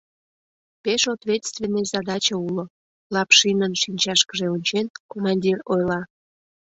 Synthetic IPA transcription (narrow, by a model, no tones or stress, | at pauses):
peʃot̪vʲet̪st̪vʲenəzɑd̪ɑt͡ɕəulo | lɑpʃinənʃinʲt͡ɕɑʃkəʒeonʲt͡ɕenkomɑnʲdʲirojlɑ